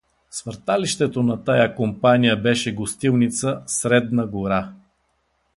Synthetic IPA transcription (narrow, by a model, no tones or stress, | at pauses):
svəɾt̪aliʃt̪ɛt̪onɐt̪ajakompanijəbɛʃɛɡost̪ilˠnit̪səsɾɛd̪nɐɡoɾa